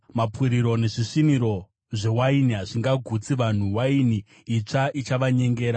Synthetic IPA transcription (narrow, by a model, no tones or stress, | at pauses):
mapwiɾiɾo̞ne̞ʐiʂiniɾo̞ | ʐe̞wainiɦaʐiŋɡaɡʱut͡siʋan̤uwainiː | t͡ʂaʔit͡ʃaʋaɲe̞ŋɡeːɾa